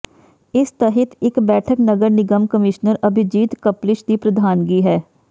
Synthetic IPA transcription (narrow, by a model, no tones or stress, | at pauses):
ɪst̪əɦət̪ʰɪkbɛːʈʰəknəɡəɾnɪɡəmkəmɪʃnəɾəbʱɪd͡ʒiːt̪kəplɪʃd̪ipɾəd̪ʱaːnɡiːɦɛː